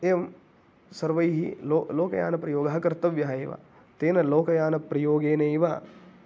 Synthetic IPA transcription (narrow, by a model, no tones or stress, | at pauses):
eːm | sɐɾʋɐjɦḭloːloːkɐja̰ːnɐpɾɐjoːɡɐɦɐkɐɾt̪ɐʋjɐɦɐeːʋa̰ | t̪eːnɐloːkɐjaːnɐpɾɐjoːɡeːnɐiʋa